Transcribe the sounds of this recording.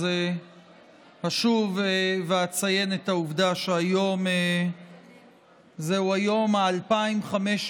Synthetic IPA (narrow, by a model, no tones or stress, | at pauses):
e | haʃuveveat͡saje̞net̪auvd̪aʃeajo̞me | zeuajo̞maːlpaimχameʃ